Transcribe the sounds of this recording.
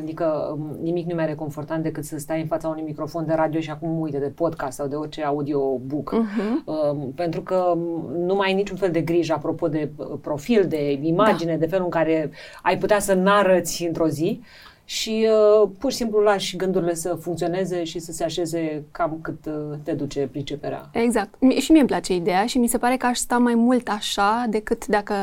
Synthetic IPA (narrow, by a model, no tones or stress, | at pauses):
ad̪ikənimiknumeaɾeko̞nfo̞rt̪ant̪d̪e̞kɨt̪səst̪ajɨnfat̪saunujmikɾo̞fo̞nd̪e̞ɾad̪io̞ʃiakumːujt̪ed̪e̞po̞d̪kast̪sawd̪e̞o̞rʲt͡ʃe̞aud̪i̞o̞bukəpe̞nt̪ɾukənumajnit͡ʃunfe̞ld̪e̞ɡɾiʒapɾo̞po̞d̪e̞pɾo̞fild̪e̞imad͡ʒine̞d̪e̞fe̞luɨŋkaɾe̞ajput̪easənaɾət̪sʲɨnt̪ɾo̞zi | ʃipurʃisimplulaʃɡɨnd̪uɾile̞səfuŋkt̪sio̞ne̞ze̞ʃisəse̞aʃe̞ze̞kamkɨt̪ːe̞d̪ut͡ʃe̞pɾit͡ʃe̞peɾa̰eɡzak̚t̪mʃimiemplat͡ʃe̞id̪e̞jaʃimise̞paɾe̞kəaʃst̪amajmult̪aʃad̪e̞kɨt̪d̪akə